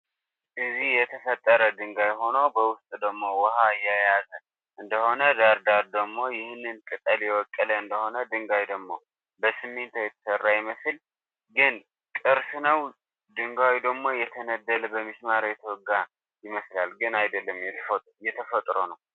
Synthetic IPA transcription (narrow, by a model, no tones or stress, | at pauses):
ʔɨzihjɛt̪ʰəfət̪ʼːəɾəd̪ɨŋɡajɦo̞nobəwʊst̪ʼd̪əɡmːo̞wɔhajajazə | ʔɨnd̪əho̞nəd̪aɾd̪aɾd̪əɡmːo̞jɪhnːɨnt̪ʼɨt̪ʼəljɛwɔkʼːələɨnd̪əho̞nəd̪ɨŋɡawd̪əɡmo̞ | bəsɨmːent̪ʰowjɛt̪ʰə̥sərːajɪməsl | ɡɨn | kʼɨɾsnəw | d̪ɨŋɡawid̪əɡmːo̞jɛt̪ʰənəd̪ːələbəmiʃmaɾajɛt̪ʰəwɔɡa | jɪməslalɡɨnajd̪əlːəmjɛ | jɛt̪ʰəfət̪ʼɾo̰nəw